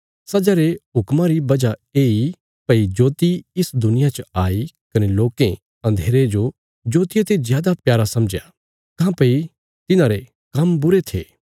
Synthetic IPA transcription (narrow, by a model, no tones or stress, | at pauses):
sɐd͡ʒaɾeɦʊkmãɾibɐd͡ʒaeːi | pɐid͡ʒoːt̪iɪsd̪ʊnɪjat͡ʃəaːi | kɐneloːkẽ | ɐ̃nd̪ʱeːɾed͡ʒo | d͡ʒoːt̪ɪjet̪ezjaːd̪apjaːɾasɐ̃md͡ʒja̰ | kãːpɐi | t̪ɪnãɾe | kɐmbʊɾet̪ʰḛː